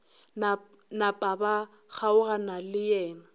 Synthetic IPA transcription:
na | napʼaba | ɣaʊɣanalɪjɛːna

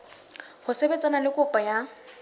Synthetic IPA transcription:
hʊsebet͡sʼanalɪkʼʊpʼaja

